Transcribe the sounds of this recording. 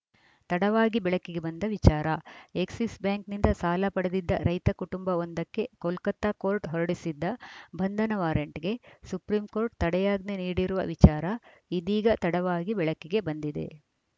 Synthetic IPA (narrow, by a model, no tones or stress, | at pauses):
t̪ɐɽɐʋaːɡibɛɭɐkːiɡe̞bɐnd̪ɐʋit͡ʃaːɾɐeksisbjaːŋknind̪ɐsaːlɐpɐɽɐd̪id̪ːɐ̰ɾɐjt̪ɐkuʈumbɐond̪ɐkːe̞kɔlkɐt̪ːakoːɾʈɦɔɾɐɽisid̪ːɐbɐnd̪ʱɐnɐʋaːɾjɐɳʈiɡe̞supɾiːmko̞ːɾʈ̚t̪ɐɽɛjaːɡneniːɽiɾuʋɐ̰ʋit͡ʃaːɾɐid̪iːɡɐt̪ɐɽɐʋaːɡibɛɭɐkːiɡe̞bɐnd̪id̪e̞̰